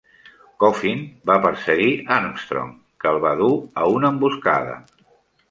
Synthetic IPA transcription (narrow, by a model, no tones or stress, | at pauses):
kofinbapəɾsəɣianst̪ɾo̰m | kəlˠβaðuəunəmbuska̰ðə̰